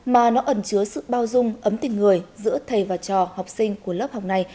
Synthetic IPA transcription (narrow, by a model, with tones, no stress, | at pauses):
maː˨˩nɔ˨˦ʔə˧˩nt͡ɕɨ˨˦əsɨ̰˧˨ɓaː˧wzʊ˧ŋ͡mʔə˨˦mt̪ï˨˩ŋ̟ŋɨ˨˩əjzɨ̰˧˥ət̪ʰə˨˩jvaː˨˩t͡ɕɔ˨˩ha˨˩wk͡p̚sï˧ŋ̟ku˧˩ələ˦˥p̚ha˨˩wk͡p̚na˨˧˩j